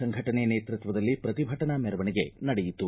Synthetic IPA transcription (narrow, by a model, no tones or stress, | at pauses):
ɐŋɡʱɐʈɐneneːt̪ɾut̪ʋɐd̪ɐlːipɾɐt̪ibʱɐʈɐnɐmɛɾɐʋɐniɡe̞nɐɽejit̪ːu